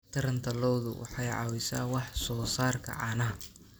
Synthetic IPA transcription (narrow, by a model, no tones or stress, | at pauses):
t̪ʰɐɾɐnt̪ʰɐlɔwðʊwʔɑ̰ħɑjʕɑ̰ːwɪsaːwɑħsɔːsaːrkʰɐ̰ʕɑ̰ːnɐɦɐ